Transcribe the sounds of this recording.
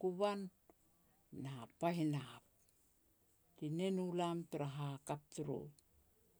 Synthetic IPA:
kuβan | apaɦinap̚ | tinenulamtuɾaɦakap̚tuɾo̰

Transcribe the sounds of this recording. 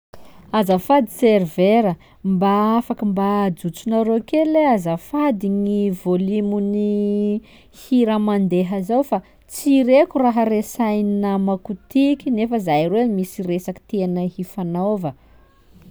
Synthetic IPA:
azafad̪i̥serveɾə | mbaafakəmbad͡zut͡sunaɾokeleazafad̪iŋivolimuni | hiɾamand̪eɦəzawfa | t͡siɾekuraɦəresajninamakut̪ikʲinefəzajremisiresaki̥t̪eanəhifanovə

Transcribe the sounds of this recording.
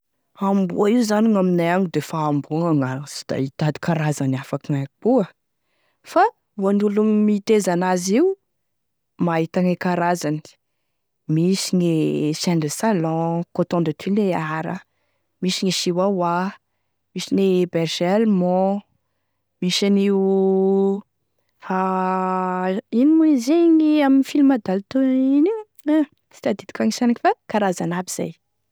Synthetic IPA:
ambuaiuzaniŋaminajaŋid̪efaːmbuŋaŋasi̥d̪̥a̰it̪ad̪i̥kaɾazanafakiŋabuə | fa | wanulummit̪ezanaziu | mait̪aŋekaɾazani̥ | misinesɛɳɖ͡ʐesalɔ̃kot̪ɔ̃ɳd̪at̪ʰineaɾə | miʃiŋiʃiwawa | misinebeɾʒealmɔ | miʃani | ha | inimuizeŋiaminifilimad̪alt̪oini | si̥t̪ad̪id̪i̥kʲaŋisanakifakaɾazanabiz̥a̰j

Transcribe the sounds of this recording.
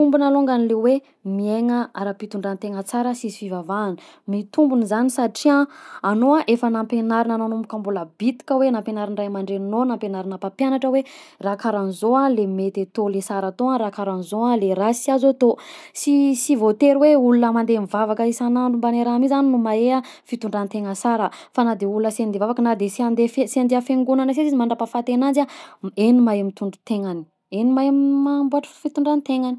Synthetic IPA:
t̪umbunaloŋɡanilewe | mieŋəaɾapit̪uɳɖ͡ʐant̪eŋət͡saɾəsisi̥fivavaːnə̥ | mit̪umbunzanisaʈ͡ʂiãanoãʔefənampenaɾinananomikambuləbit̪i̥kʲəwenampenaɾiɳrajmaɳɖ͡ʐenonampenaɾinapapjanaʈ͡ʂəwerakaɾanizoalemet̪et̪olesaɾat̪oaɾakaɾanzoaleɾasiazot̪osisivot̪eɾweulunəmand̪emivavakəisanaɳɖ͡ʐumbaneɾamizaninumaea | fit̪uɳɖ͡ʐanit̪eŋəsaɾəfanad̪eulunəsend̪evavakənad̪esand̪efeseand̪eafeŋɡunanəs̬ezizimaɳɖ͡ʐapafat̪enanzaenimajmit̪uɳɖ͡ʐu̥t̪eŋani̥ | enimajammambuaʈ͡ʂə̥fit̪uɳɖ͡ʐanit̪eŋani̥

